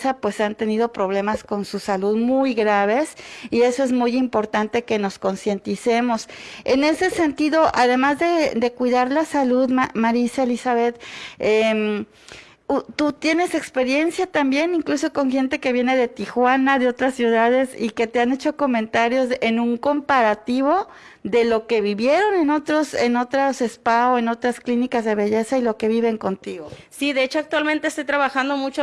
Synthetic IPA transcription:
sapwe̞sant̪e̞niðo̞pɾo̞β̞le̞masko̞nsusaluðmujɣɾaβ̞e̞sie̞so̞e̞zmujimpo̞ɾt̪ant̪e̞ke̞no̞sko̞nsje̞nt̪isemo̞sene̞se̞se̞nt̪iðo̞ʔaðe̞mazðe̞d̪e̞kwiðaɾlasaluðmamaɾisaelisaβe̞t̪em | ut̪ut̪je̞ne̞se̞kspe̞ɾje̞nsjat̪ambje̞niŋkluso̞ko̞ŋxe̞nt̪e̞ke̞βje̞ne̞ðe̞t̪ixwanaðeo̞t̪ɾasːjuðað̞e̞sḭke̞t̪e̞ane̞t͡ʃo̞ko̞mẽnt̪aɾjo̞zenũŋko̞mpaɾat̪iβ̞o̞ | ðe̞lo̞ke̞βiβje̞ɾo̞ne̞no̞t̪ɾoseno̞t̪ɾase̞spaoe̞no̞t̪ɾasklinikazðeβe̞ʝe̞sailo̞ke̞βiβe̞ŋko̞nt̪iɣosiðe̞et͡ʃoak̚t̪walmẽnt̪est̪ojt̪ɾaβaxand̪omut͡ʃo

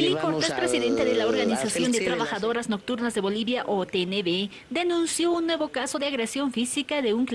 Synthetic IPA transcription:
eliko̞ɾt̪e̞spɾe̞siðe̞nt̪e̞ðe̞laoɾɣanisasjo̞nd̪e̞t̪ɾaβaxaðo̞ɾazno̞k̚t̪uɾnazðe̞βo̞liβjaʔot̪eneβe | ðe̞nũnsjo̞unːwe̞βo̞kaso̞ðeaɣɾe̞sjo̞ɱfisikaðe̞uŋk

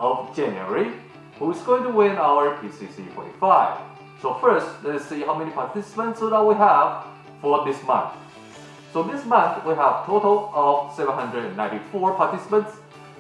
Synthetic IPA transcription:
ɔvd͡ʒæ̃njuɛ̰ɹi | huɪzɡoɪ̃ŋtuwɪ̃nawə˞pʰisisḭfɔ̰ɹɾifaɪv̥ | sofɜ˞stlɛtsihaʊmɛnipʰaɹtʰɪsə̥pə̃ntsðə̃t̚wiəv | fə˞ðɪsmʌ̰̃nθ | soʊðɪsmʌ̃nθwiɦæv̥tʰoɾəl̩ˠɔvsɛvə̃nɦʌ̃ndɹəɾɨ̃nːãɪ̃ntifɔɹpʰaɹtɪsə̥pə̃nts

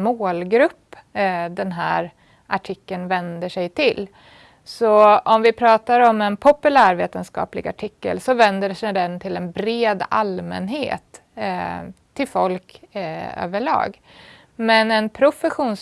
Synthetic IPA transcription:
moːlɡɾɵpː | d̪ɛnɦæːɾ | ʔaʈʰɪkːənvɛnd̪əʂɛjt̪ʰɪl | sɔɔmvɪpʰɾɑːt̪aɾɔmɛnpʰʊpɵlæːɾveːt̪ənskɑ̰ːplɪɡa̰ʈʰɪkːə̰lsɔvɛnd̪əʂɛd̪ɛnt̪ʰɪlɛnbɾeːd̪a̰lmɛ̰nɦḛːt̪ | ɪlfɔlk | ø̰ːvəɭɑ̰ːɡ | mɛnɛnpʰɾʊfɛɧuːns

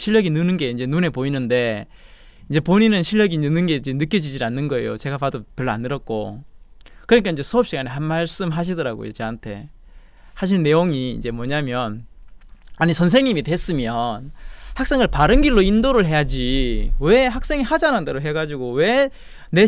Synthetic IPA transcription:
ɕʰiʎːʌɡinɯnɯnɡe̞ind͡ʑe̞nune̞poinɯnde̞ | ind͡ʑe̞poɲinɯnɕʰiʎːʌɡinɯnːɯnɡe̞ind͡ʑe̞nɯk͈jʌd͡ʑid͡ʑianːɯnɡʌe̞̰jo̰t͡ɕe̞ɡapadopjʌɭːoa̰nːɯɾʌt̚k͈o̰ | kɯɾnɲik͈aind͡ʑe̞sʰoʌp̚ɕ͈iɡanehanmaɭs͈ɯmɦaɕ̬ʰidʌɾaɡo̰jo̰t͡ɕe̞antʰe̞̰ | saɕ̬ʰiɭne̞joŋiːnd͡ʑe̞mwʌɲamjʌn | aɲisʰʌns̬ʰe̞ŋɲimitwe̞s͈ɯmjʌnhak̚s͈e̞ŋɯɭpaɾɯnɡiɭːoindoɾɯɭɦe̞jad͡ʑiwe̞ɦak̚s͈e̞ŋihad͡ʑanɯndeɾoɦe̞ɡad͡ʑiɡowe̞ | ne̞

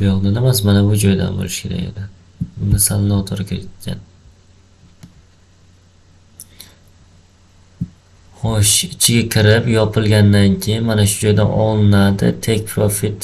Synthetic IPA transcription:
bjɒʁnanamas̬manabʊd͡ʒɒjd̪a̰nbo̰lɪʃkʲʰe̞ɾa̰ɡʲe̞̰d̪ɪ | bʊnasalɪnɒt̪ʰoɾkʲʰɪɾt̪̚kʲʰːa̰n | χɒʃɪt͡ʃʰɪɡʲakʲʰɪɾɪpjɒpʰɪlˠɡʲand̪ankʲʰejɪnmanaʃʊ̥d͡ʒɒjd̪a̰nɒlˠɪnad̪ɪ̰t̪ʰek̚ʲpʰɾofit̪

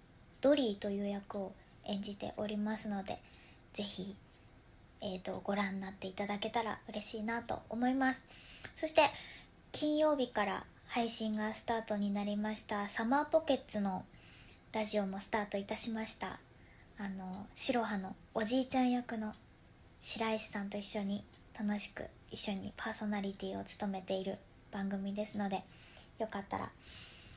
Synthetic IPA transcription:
d̪̥o̞ɾʲiːt̪o̞jɯ̟ːjakɯ̟o̞ | ẽ̞ɲ̟d͡ʑit̪e̞̰ʔo̞ɾʲimasɨno̞d̪e̞̰ | z̥e̞çi | et̪o̞ɡ̥o̞ɾãnːat̪ːe̞it̪ad̪ake̞t̪aɾa̰ɯ̟ɾe̞ɕiːnat̪o̞̰o̰mo̞imasɨ̥so̞ɕi̥t̪e̞ | kʲĩɰ̃jo̞ːbʲikaɾa̰ | haiɕĩŋɡasɨ̥t̪aːt̪o̞ɲ̟inaɾʲimaɕi̥t̪asamaːpo̞ke̞t͡st͡sɨno̞ | ɾaʑio̞mo̞sɨ̥t̪aːt̪o̞it̪aɕimaɕi̥t̪a̰ː | no̞ɕiɾo̞ɦano̞ːʑiːt͡ɕãɰ̃jakɯ̟no̞ | ɕiɾaiɕsãnt̪o̞iɕːo̞ɲ̟i | t̪ano̞ɕi̥kɯ̟̰ | iɕːo̞ɲ̟ḭpʰaːso̞naɾʲit̪ʲiːo̞̰t͡sɨ̥t̪o̞me̞t̪e̞iɾɯ̟ | b̥ãŋɡɯ̟mʲid̪e̞sɨno̞d̪e̞ | jo̞kat̪ːa̰ɾa̰

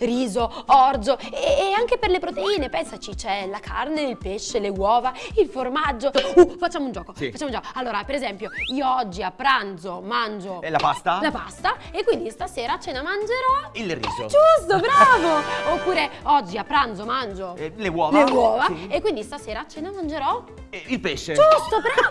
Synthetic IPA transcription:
riːzoɔrzoeaŋk̟eperlepɾot̪eiːnepɛnsat͡ʃit͡ʃɛlakʰarneilpeʃːelewɔːvailformad͡ʒːoufat͡ʃːamound͡ʒɔːkofat͡ʃːamunːd͡ʒɔkoalːoːɾapeɾezɛmpjoiːoɔd͡ʒːiapːɾand̪zomand͡ʒolapast̪alapast̪aekːwind̪ist̪aseːɾaːt͡ʃːɛːnamand͡ʒeɾɔilrḭːzod͡ʒust̪obɾaːvoopːuːɾeɔd͡ʒːiapːɾand̪zomand͡ʒolewɔːvlewɔːvaekːwind̪ist̪aseːɾaːt͡ʃːeːnamand͡ʒeɾɔ | ilpeʃːed͡ʒust̪obɾa

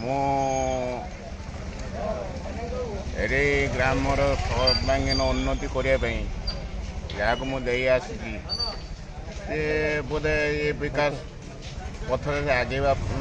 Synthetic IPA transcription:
mũ | ḛɾejɡɾamɔɾɔsʰɔt̪baŋɡinɔunːɔt̪ikɔɾiapaĩ | d͡ʒaakumũd̪ejasut̪i | sebod̪eebikas | pɔt̪ʰɔɾeseaɡejba

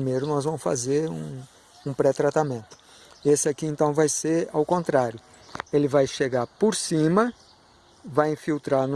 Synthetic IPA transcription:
imejɾʊnɔzvɐ̃mʊsfa̰zeɾṵ̃ | ũpɾɛt̪ɾat̪amẽnt̪ʊ̥ | esɪakiẽnt̪ɐ̃w̃vajseɾawkõnt̪ɾaɾjʊ | elɪvajʃeɡaɾpoɾsĩmɐ | vajĩfiwt̪ɾaɾn

